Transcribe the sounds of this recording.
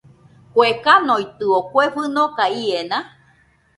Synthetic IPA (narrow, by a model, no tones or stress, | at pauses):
kʷekanojt̪ɨokʷefɨnõkaienã